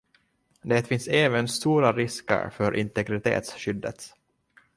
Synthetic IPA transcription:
d̪ɛːt̪fɪnsɛːvənst̪uːɾaɾɪskə̰ɾfœɾʔɪnt̪ɛɡɾɪt̪ʰḛːt̪sɕʏd̪ːə̰t̪

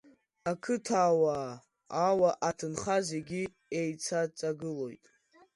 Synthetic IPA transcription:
akʰɨtʰaːwaː | awaʔatʰɨnχazeɡʲi | ejt͡sʰat͡sʼaɡɨlo̞jtʼ

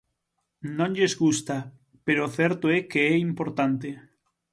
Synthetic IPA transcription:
nõnʎezɣust̪a | peɾoθɛɾt̪oɛkeɛimpoɾt̪ant̪e

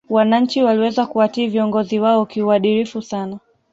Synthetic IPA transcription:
wanaɲ̩t͡ʃiwaliwɛzakuatiːviɔŋɡɔziwaɔkiuaɗiɾifusana

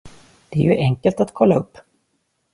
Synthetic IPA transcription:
d̪̥ɛæɾjɵʔɛŋkəlt̪at̪kʰɔlːaɵpː

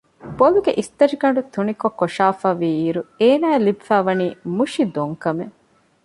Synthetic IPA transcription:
b̥oluɡeʔist̪ɐɾiɡɐɳ̆ɖut̪unikokːoʃaːfaːʋiiɾueːnaːelibifæːʋɐniːmuʃid̪oŋkɐme

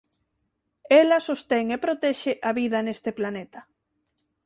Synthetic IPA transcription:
elɐsost̪ɛŋepɾot̪ɛʃeʔaβiðɐnest̪eplanet̪ɐ

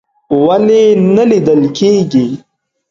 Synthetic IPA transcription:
walenalid̪əlkʰeɡi

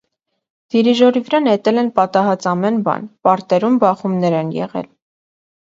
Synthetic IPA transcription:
d̪̥iɾiʒɔɾivəɾɑnhɛt̪ɛlɛnpɑt̪ɑɦɑt͡sɑmɛnbɑ̰npɑɾt̪ɛɾumbɑχumnɛɾɛnjɛ̰ʁɛ̰l

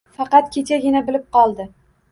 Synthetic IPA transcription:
fɑqɑt̪̚kʲʰet͡ʃaɡʲɪnabɪlɪp̚qɒlˠd̪ɪ

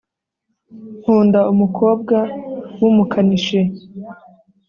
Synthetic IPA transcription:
hhuːndaumukʰo̞ːb̚ɡawumukʰaniʃe

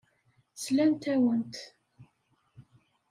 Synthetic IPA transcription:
slænt̪æwənt̪

